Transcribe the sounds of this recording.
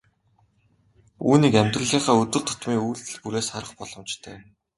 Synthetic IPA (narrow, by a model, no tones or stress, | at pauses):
ṵːniːkæmʲt̪rɘ̆ɮiːχaːɵt̪ɵ̆ɮt̪ʰʊ̥t̪miːuːɬt̪ɘ̆ɮpuɾeːsχaɾə̆χpɔɮ̥ɞ̆mt͡ɕt̪ʰœː